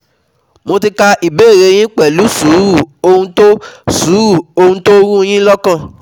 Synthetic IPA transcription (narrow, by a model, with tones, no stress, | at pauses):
mo˧ti˧ka˧ʔi˨beː˦˨ɾe˨˧j̃ĩ˦k͡pɛ˨lu˨˦su˨˦ɾu˦˨o˧hũ˦to˦suː˨˦ɾu˦˨o˧hũ˦to˦ɾ̃ũ˦j̃ĩ˦lɔ˦kã˦˨